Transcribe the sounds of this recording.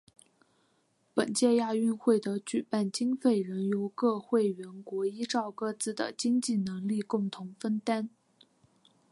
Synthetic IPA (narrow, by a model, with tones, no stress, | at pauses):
pə˨˩nt͡ɕjɛ˥˧ja˥˧y˥˧nxwe˥˩ɪd̪ə˧˥t͡ɕy˨˩pa˥˩nt͡ɕi˥ŋfe˥˩ɪɻə˧˥njo˧˥ʊkɤ˥˧xwe˥˩ɪɥɛ˧˥nkwɔ˧˥i˥ʈ͡ʂɑ˥˧ʊkɤ˥˩t͡sɹ̩˥˩d̪ə̰˩t͡ɕi˥ŋt͡ɕi˥˩nɤ˧˥ŋli˥˧kʊ˥˩ŋt̪ʰʊ˧˥ŋfə˥nt̪a˥n